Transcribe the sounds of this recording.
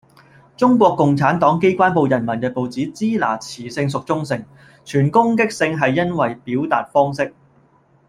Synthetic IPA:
t͡sʊ˥ŋkʷɔː˧kːʊ˨ŋt͡sʰaː˨˥nt̪ɔː˨˥ŋke˥jkʷaː˥npo˨wjɐ˨˩nmɐ˨˩nkɛ˧po˨wt͡siː˨˥t͡siː˥la̰ː˨˩t͡sʰiː˨˩sɪ˧ŋsʊ˨k̚t͡sʊ˥ŋsɪ˨˩ŋ | t͡ʃʰyː˨˩nkʊ˥ŋkɪ˥k̚sɪ˧ŋɦɐ˨jːɐ˥nwɐ˨jpiː˨˥wt̪aː˨t̚fɔː˥ŋsɪ˥k̚

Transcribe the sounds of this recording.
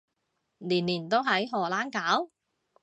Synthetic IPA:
liː˨˩nliː˨˩nt̪o˥wɦɐ˨˥jɦɔː˨˩laː˥nkaː˨˥w

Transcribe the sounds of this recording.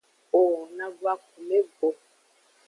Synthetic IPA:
o˨ɔ˨nã˦bu˦a˦k̚u˨me˦bo˨

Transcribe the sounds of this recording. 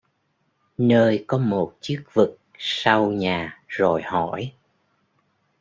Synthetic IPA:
nəː˧jkɔ˨˦mo˨˩t̚t͡ɕɨ˦˥ək̚vɨ˨˩k̚sa˧wɲaː˨˩zo˨˩jhɔ˧˩˨j

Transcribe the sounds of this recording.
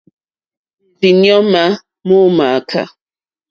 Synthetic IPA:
vi˨njɔ˦ma˦ | mo˦ma˨kʰa̰˨

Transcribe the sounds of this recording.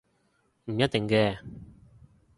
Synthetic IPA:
m̩˨˩jɐ˥t̚t̪ɪ˨ŋkɛː˧

